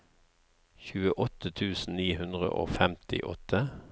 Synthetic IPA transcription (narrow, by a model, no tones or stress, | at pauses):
çʉːəʔɔt̪ət̪ʰʉːsn̩niːhʉnd̪ʁə̰ʔo̰ːfɛmt̪ʰɪ̰ʔɔt̪ʰə